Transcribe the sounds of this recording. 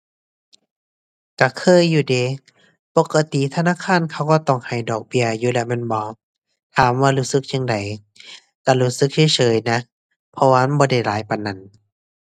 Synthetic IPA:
ka˧˩kʰɤː˧˥˨jːuː˧˩deː˨˧˦ | po˧˦ka˧t̪i˨t̪ʰa˧naː˧˥˨kʰaː˧˥˨nkʰa˧˩wkɔː˧˩t̪ɔ˧˩ŋha˨˩jdɔː˨˩k̚bi˧˩ɐjuː˧˦lɛ˧mɛ˧˥˨nbɔː˧˦ | t̪ʰaː˨˦mwaː˧˨luː˧˩sɯ˧˦k̚t͡ɕʰi˧˨ŋda˨˩j | k̪a˧˩luː˧˩sɯ˧˦k̚t͡ɕʰa˧˥˦t͡ɕʰɤː˨˦jna˧˥ | pʰɔ˧waː˧bɔː˧˦da˧˩jlaː˨˦jpa˨nːa˧˩˨n

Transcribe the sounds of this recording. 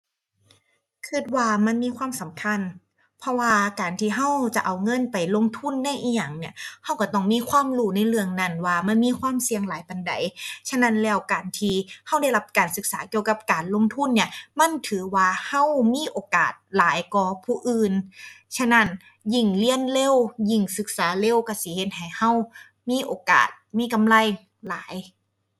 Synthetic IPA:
kʰɯ˧˩t̪̚waː˧ma˧˥nmiː˧˥˨kʰwaː˧˥˨msa˨˦mkʰa˧˥˨n | pʰɔ˧waː˧kaː˨˩nt̪ʰiː˧ɦa˧˥˩wt͡ɕa˨˩ʔa˨˩wŋɤ˧˥˨npa˨˩jlo˧˥˨ŋt̪ʰu˧˥˨nːa˧˥˨jʔiː˧˩ja˨˩ŋni˧˥˩ha˧˥˩wka˧˩t̪ɔ˧˩ŋmiː˧˥˨kʰwaː˧˥˨mluː˧˩na˧˥˨jlɯ˧əŋna˧˥˩nwaː˧˩ma˧˥˨nmiː˧˥˨kʰwaː˧˥˨msi˧əŋlaː˨˦jpa˨nda̰˨˦jt͡ɕʰa˧˥˨na˧˥˨nlɛː˧˩wkaː˨˩nt̪ʰiː˧ha˧˥˩wda˧˥˩jla˧˥p̚kaː˨˩nsɯ˧˦k̚saː˨˦ki˧əwka˧p̚kaː˨˩nlo˧˥˨ŋt̪ʰu˧˥˨nːi˧˩ɐma˧˥˨nt̪ʰɯː˨˦waː˧ha˧˥˨wmiː˧˥˨ʔoː˨˩ka̰ː˨˩t̪̚laː˨˦jkɔː˧pʰuː˧˩ʔɯː˧nsʰa˧˥˨na˧˥˨n | ji˧˩ŋli˧˥ənle˧˥˨wji˧˩ŋsɯ˧˦k̚saː˨˦le˧˥˨wka˧˩si˧˨˦he˧˦t̪̚ha˨˩jha˧˥˩w | miː˧˥˨ʔoː˨ka̰ː˨˩t̪̚miː˧˥˨ka˨mla˧˩˨j | la̰ː˨˦j

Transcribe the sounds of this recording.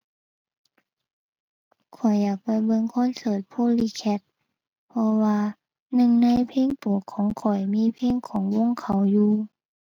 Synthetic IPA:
kʰɔ˨˩jːaː˨˩k̚pa˧˩jbɤ˧˥˨ŋkʰɔ˧˥˨nsɤː˧˩t̪̚pʰoː˧˥˨liː˧˨kʰɛ˧˩t̪̚ | pʰɔ˧waː˧ | nɯ˧˨ŋna˧jpʰeː˧˥˨ŋp̪u˨˩˦əkʰːɔː˨˦ŋkʰɔ˨˩jmiː˧˥˨pʰeː˧˥˨ŋkʰɔː˨˦ŋwo˧˥˨ŋkʰa˧˩wjuː˧

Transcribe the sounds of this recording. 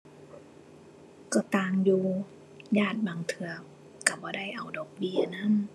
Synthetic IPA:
kɔ˧˩t̪aː˧ŋjuː˧ | jaː˥˩t̪̚baː˨˩ŋt̪ʰɯ˧ɐ | ka˧˩bɔː˧˦da˥˩jʔa˨˩wdɔː˨˩k̚bi˦˧˥ɐ˨na˥˨n

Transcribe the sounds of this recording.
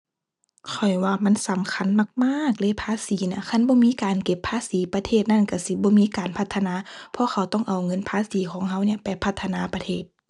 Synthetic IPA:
kʰɔ˨˩jwaː˧ma˧˥˨nsa˨˦mkʰa˧˥˨nma˧˩k̚maː˧˥˨k̚lɤː˧˥˨pʰaː˧˥˨siː˨˦na˧˩˨kʰa˧˥˨nbɔː˧˦miː˧˥˨kaː˨nke˧˩pʰːaː˧˥˨siː˨˦pa˧t̪ʰeː˧˩t̪̚na˧˥˨nka˧˩si˧˦bɔː˧˦miː˧˥˨kaː˨npʰa˧˩t̪ʰːa˧naː˧˥˦pʰɔ˧˦xʰa˧˩wt̪ɔ˧˥˨ŋʔa˨˩wŋɤ˧˥˨npʰaː˧˥˨siː˨˦kʰɔː˨˦ŋɦa˧˩wni˧˩ɐpa˨˩jpʰa˧˩t̪ʰːa˧naː˧˥pa˧t̪ʰeː˧˩t̪̚

